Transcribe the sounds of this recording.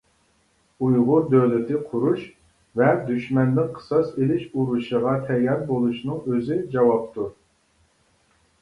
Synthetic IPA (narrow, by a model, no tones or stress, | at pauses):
ujʁʊɾd̪øwlɪt̪ʰɪqʰʊɾuʃ | vɛd̪yʃmɛnd̪ɪnqʰə̥sɑselɪʃuɾuʃəʁɑt̪ʰɛjɑɾbolˠuʃnɨŋøzɪd͡ʒɑwɑp̚t̪u